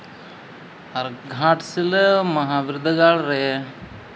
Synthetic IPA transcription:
ɐɾɡʱaːʈsilmɐɦaːʋiɾud̪ʱːɐɡaːɭɐɾe

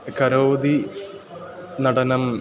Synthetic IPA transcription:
kɐɾoːd̪i | nɐɽɐnɐm

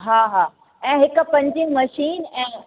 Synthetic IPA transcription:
ɦaːɦaː | ɛ̃ːɦɪkʊ̆pɐ̃ɲd͡ʑĩmɐʃiːnɛ̃ː

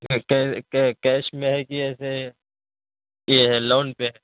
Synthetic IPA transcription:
kɛːkɛkɛːʃmẽɦɛkiɛːse | jeɦɛloːnpeɦɛː

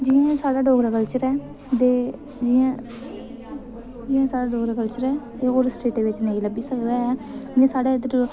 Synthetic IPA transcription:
d͡ʒɪãsaːɽaːɖoːɡɾakəlt͡ʃəɾɛː | d̪eː | d͡ʒɪãː | d͡ʒɪãːsaːɽaːɖoːɡɾakəlt͡ʃəɾɛːt̪eːoːɾsʈeːʈeːʋɪt͡ʃnəĩːləbiːsəkd̪aːɦɛːd͡ʒɪãːsaːɽaːd̪

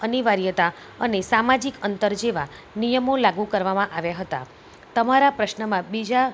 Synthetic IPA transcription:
əniʋaɾjət̪a | ənesamad͡ʒikənt̪əɾd͡ʒeʋa | nijəmolaɡukəɾʋamãʔaʋjaɦət̪a̰ | t̪əmaɾapɾəʃnəmãbid͡ʒa

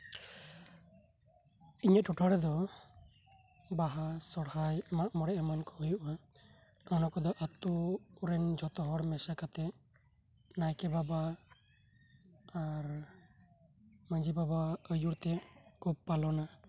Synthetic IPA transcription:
iɲət̪̚ʰuʈʰaɽɛd̪ɔ | baɦasɔɽhajmaʔmɔɽɛʔamankɔɦujuʔa | ɔnɔkɔd̪ɔʔat̪uɾɛnd͡ʒʱɔt̪ɔɦɔɽmɛsakat̪ɛ | najkɛbaba | ɾ | məd͡ʒibabaəjuɾt̪ɛkʰub̚palɔna

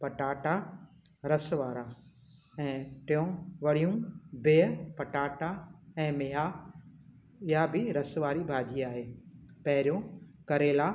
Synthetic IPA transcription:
pɐʈaːʈa | ɾɐsʋaːɾa | ɛ̃ːʈɪjõʋɐɽ̤ijũbeːpɐʈaːʈaɛ̃ːmɪɦa | ɪɦabɪɾɐsʋaːɾibʱaːd͡ʑiaːɦeːpɐɦɪɾijõkɐɾeːla

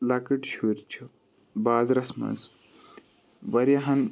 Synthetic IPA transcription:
lakiʈʃuɾʲt͡ʃʰɐ | baːzɾɐsmɐ̰ns | bɐɾjɐɦɐn

